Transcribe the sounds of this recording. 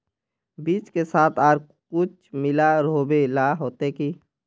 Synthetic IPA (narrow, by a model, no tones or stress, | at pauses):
biːt͡ʃkesaːt̪ʰaːɾ | kʊt͡ʃʰ | mɪlaɾɦobelaɦoːt̪eki